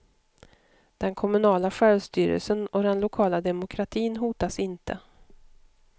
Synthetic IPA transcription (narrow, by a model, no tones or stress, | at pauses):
d̪̥ɛnkʰɔmɵnɑːlaɧɛːɭst̪yːɾə̰lsənɔd̪ɛnlʊkʰɑːlad̪ɛmʊkʰɾat̪ʰiːnɦuːt̪asɪnt̪ʰə